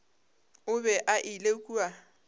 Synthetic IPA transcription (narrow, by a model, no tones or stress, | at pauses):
ʊbɛʔaʔɪlekʼua